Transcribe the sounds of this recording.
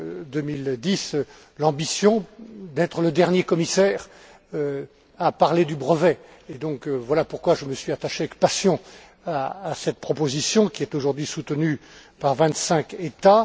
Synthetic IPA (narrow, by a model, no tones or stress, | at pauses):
d̪əmild̪is | lɑ̃bisjɔ̃d̪ɛt̪χələd̪ɛʁnjekɔmisɛːʁ | ø | apaʁled̪ybʁəvɛ | ed̪ɔ̃kvwalapuʁkwaʒəməsɥiat̪aʃeavɛk̚pasjɔ̃ | aːsɛt̪̚pχɔpozisjɔ̃kʲiɛt̪oʒuʁd̪ɥisut̪nypaʁvɛ̃t̪sɛ̃ket̪a